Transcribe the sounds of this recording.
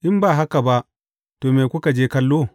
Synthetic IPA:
ʔɪ˦mbaː˨ɦa˦ka˨ba˦ʔ | toː˨meː˨kʷʊ˦ka˨d͡ʒeː˦kɐ˦lːoː˦

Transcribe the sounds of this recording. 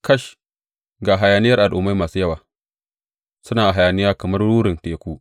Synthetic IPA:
kɐ˦ʃ | ɡaː˨ɦa˨jaː˨nɪ˦jɐ˦rʔa˨lʔoː˨ma˦jmaː˨suː˦jɐ˦waː˨ | sʊ˦naː˨ʔa˨ɦa˨jaː˨nɪ˦jaː˦kɐ˨mɐ˦rɽuː˦ɾɪ˨nteː˨kʷuː˦

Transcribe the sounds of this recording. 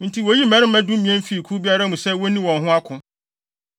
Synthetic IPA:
n̩˨tʰi˨wo˨ji˦mɛ̃˦ɾɪ˦mɛ̃˦dʊ̃˦mĩ˨ɛ̃˦m˦fi˦˨kʰu˦bi˦a˦ɾa˦mũ˨sɛ˦wɔ˦nĩ˦wɔ̃˨nɦʊ̃˦a˦kʰʊ̃˦

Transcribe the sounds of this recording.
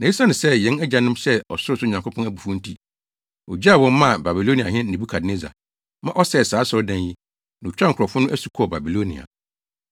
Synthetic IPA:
nã˨i˦sa˦nɪ̃˨sɛ˦jɛ̃˨˦nɛ˦d͡ʑa˨nʊ̃˦m˦sɛ˦ɔ̰˨sʊ˦ɾʊ˦sʊ˦˨ɲã˨ŋkʷʊ˦pʰɔ̃˦næ˦bu˨fʊ̃˦n̩˦tʰi˦ | ɔ̰˨d͡ʑi˦a˦˨wɔ̃˦m˦mã˦˨ba˨bi˨lo˦ni˨a̰˨hɪ̃˦n̩˦nĩ˨bu˦kʰa˨dne˦za̰˨ | mã˦ʔɔ˦sɛ˦˨saː˨˦sɔ˦ɾdã˦nji˦ | n˨t͡ɕᶣa˦ŋ˨kʰɾɔ˨fʊ˦nʊ̃˦ʔæ˦su˨kʰɔ˦˨ba˨bi˨lo˦nḭ̃˨a̰˨

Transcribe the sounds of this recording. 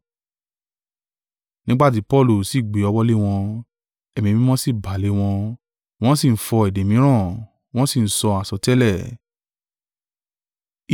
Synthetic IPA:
nĩ˦ɡ͡ba˦˨t̬i˨˦pɔ˦˨lo˨si˦˨ɡ͡be˨˦ɔ˧wɔ˦le˦w̃ɔ̃˧ | ɛ˨mĩ˧mĩ˦m̃ɔ̃˦si˦˨ba˨le˨˦w̃ɔ̃˧ | w̃ɔ̃˦si˦˨n̩˦fɔ˧ɛ˨de˨mĩ˨˦ɾ̃ã˦˨ | w̃ɔ̃˦si˦˨n̩˨˦sɔ˧a˨sɔ˧tɛ˦lɛ˦˨

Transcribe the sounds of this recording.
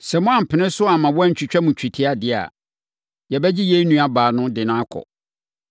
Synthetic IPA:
sɛ˨mʊ̃˦ã˨m̩˨pʰɪ˨nɪ̃˦sʊ˦a˨mã˨wɔ˦æ˦˨t͡ɕᶣi˨t͡ɕᶣɛ˦mũ˨t͡ɕʰᶣi˨tʰɪ˦a˨dɪ˨a̰˨ | jɛ˨bɛ˦d͡ʑi˦je˦i˦nũ˦a˦baː˨nʊ̃˦dɪ˨nʊ̃˦a˦kʰɔ̰˨

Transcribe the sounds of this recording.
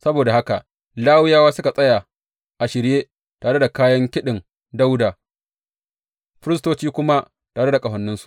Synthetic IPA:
sɐ˦boː˨da˨ha˦ka˨ | laː˦wɪ˦jaː˦waː˦sʊ˦ka˨sʼɐ˦ja˨ | ʔa˨ʃɪ˨ɾjeː˦ | taː˨ɽe˦da˨kaː˦jɐ˦ŋkʲɪ˦ɗɪ˨ŋ | da˦wdaː˨ | ɸɪ˦ɾɪ˦s̬toː˦t͡ʃiː˦kʷʊ˦ma˦ | taː˨ɽe˦da˨kʼɐ˨ɦɐ˨nːɪ˦nsu̥˨

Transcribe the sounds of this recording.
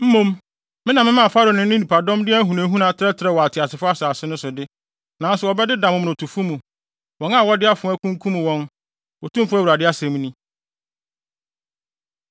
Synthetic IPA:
m̩˦mõ˦m | mɪ̃˦nã˨mɪ̃˦mã˦˨fa˦ɾo˨nɪ̃˦n˦ɪ̃˦nĩ˨pʰa˨dɔ̃˦mdɪ˦ɦũ˨nẽ˨˦ɦũ˦nã˨˦tʰɪ˦ɾɛ˦tʰɪ˦ɾɛ˦˨wɔ˨a˨tʰɪ˨a˨sʰɪ˨fʊ˦a˦sa˨sɪ˦nʊ̃˦sʊ˨dɪ˦ | nã˨˦sʊ˨wɔ˨bɛ˦dɪ˦dã˨mʊ̃˨m˨nʊ̃˨tʰu˨fu˦mũ˨ | wɔ̃˨˦na˨wɔ˦dɪ˦a˦fʊ˨˦æ˦kʰũ˦ŋ˦kʰũ˦mũ˨wɔ̃˦n | wɔ˨tʰũ˦m˦fʊ˦æ˦wu˨ɾa˨dɪ˦a˦sɛ̃˨m̃˦nĩ˦

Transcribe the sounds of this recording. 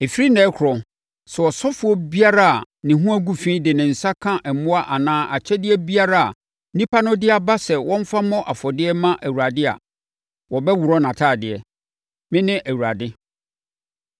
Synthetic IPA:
e˨fi˦ɾi˦nɛ̃ː˨˦kʷʰʊ˨ɾɔ˨ | sɛ˨wɔ˨sɔ˦fʊ˨˦ɔ˦bi˦a˦ɾa˦a˨ | nɪ̃˨ɦũ˦æ˦ɡu˦fĩ˦dɪ˨nɪ̃˨n̩˨sa˦kʰã˦ʔɛ˨mʊ̃˦a˦ʔa˨nãː˦ʔa˨t͡ɕʰɛ˦dɪ˦ɛ˦bi˦a˦ɾa˦a̰˨˦ | nĩ˦pʰa˦nʊ̃˦dɪ˦a˨ba˦sɛ˨wɔ̃˦m˦fa˦mɔ̃˦ʔa˨fɔ˨dɪ˦ɛ˦mã˦ʔæ˨wu˨ɾa˨dɪ˦a̰˨ | wɔ˨bɛ˦wʊ˨ɾɔ˦nã˨tʰaː˦˨dɪ˨ɛ˨ | mɪ̃˦nɪ̃˦ʔæ˨wu˨ɾa˨dɪ˦

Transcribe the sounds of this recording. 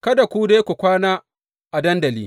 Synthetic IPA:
kɐ˦da˨kʷu˦de˦kʷu˨kʷaː˦naː˦ | ʔa˨dɐ˦ndɐ˨lḭː˦

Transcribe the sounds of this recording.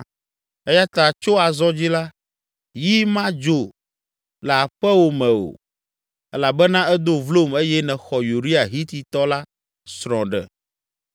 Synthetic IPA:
ɛ˦ja˦t̪a˨t͡ʃo˦a˨zɔ˦d͡ʑi˦la˦ | ji˦mã˦d͡ʒo˨ | lɛ˨a˨ɸɛ˦wo˨mɛ̃˨o̰˨ | ɛ˦la˨bɛ˦nã˦ɛ˦d̪o˦vlo˦˨me˦jɛ˦nɛ̃˨xɔ˨ju˨ɾi˦a˨ɦi˦t̪i˨t̪ɔ˦la˦ | sɾɔ̃˨ɖɛ̰˨

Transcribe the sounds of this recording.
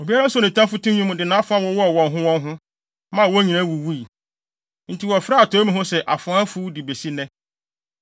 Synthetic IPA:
o˨bi˦a˦ɾa˦sɔ˨nɪ̃˨tʰã˦fʊ˦tũ˦ɲũ˦m̃˨dɪ˨nã˦fʊ˦a˦wɔ˦wɔ˦˨wɔ̃˨nɦʊ̃˦wɔ̃˦nɦʊ̃˦ | mã˦˨wɔ˦ɲĩ˨nã˦wu˨wu˦i˨ | n̩˨tʰi˨wɔ˨fɾa˦a˨tʰɔ˨˦mĩ˦ɦʊ̃˦sɛ˨ʔa˨fʊ˨ã˦fu˦di˨be˨si˦nɛ̃˦

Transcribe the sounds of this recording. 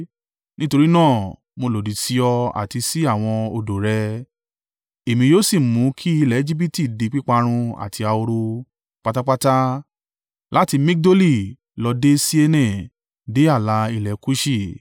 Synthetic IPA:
nĩ˦to˧ɾi˦nãː˦˨ | mo˧lo˨di˨si˧ɔ˧a̰˨ti˧si˦a˦˨w̃ɔ̃˧o˧do˨ɾɛ˧ | e˨mĩ˧joː˦si˦˨mũ˨˦kʰi˦i˧lɛ˨e˦d͡ʒi˦bi˦˨ti˦˨de˨˧˦k͡pi˦k͡pa˧ɾ̃ũ˧a̰˨tʰi˧a˧o˧ɾo˧ | k͡pa˧ta˦k͡pa˦ta˦ | lʔa˦ti˧mĩ˦k̚do˦li˦˨ | lɔ˧de˦si˦e˧nɛ̃˦˨ | de˨˦a˦˨la˧˦i˧lɛ˨ku˦ʃi˦˨

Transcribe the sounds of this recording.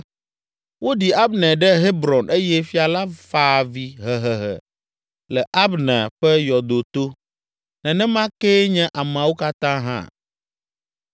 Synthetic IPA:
wo˦ɖi˨a˦bnɛ̃˨ɖɛ˦ɦe˦bɾɔ˨nʔe˦jɛ˦fi˦a˨la˦faː˨vi˨ɦɛ˨ɦɛ˨ɦɛ̰˨ | lɛ˨ʔa˦bnɛ̃˨ɸɛ˦jɔ˨d̪o˨t̪o˦ | nɛ̃˨nɛ̃˦mã˦ke˦ɲɛ̃˦ʔa˨m˨ã˨wo˦ka˦t̪ã˦ɦã̰˦

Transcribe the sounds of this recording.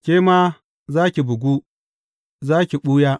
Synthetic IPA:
kʲeː˦ma˦ | zaː˦kʲi˨bʊ˨ɡʷu˦ | zaː˦kʲi˨ɓu˦jaː˦

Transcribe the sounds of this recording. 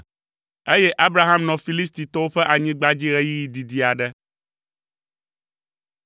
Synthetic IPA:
e˦jɛ˦ʔa˦bɾa˦ɦã˦mnɔ̃˨fi˨li˦s̬t̪i˨t̪ɔ˦wo˦ɸɛ˦ʔa˨ɲĩ˦ɡ͡ba˦d͡ʑi˦ɣɛ˦ji˦ji˨d̪i˨d̪i˨a˨ɖɛ˦

